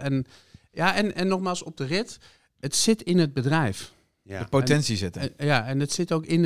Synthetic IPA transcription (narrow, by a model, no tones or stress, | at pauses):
ʔɛn | jaɛnɛnːɔxmaːlˠsɔp̚dərɪt | ətsɪtɪnəd̚bədrɛjf | dəpotɛnsisɪtəjaɛnətsɪtoːkɪn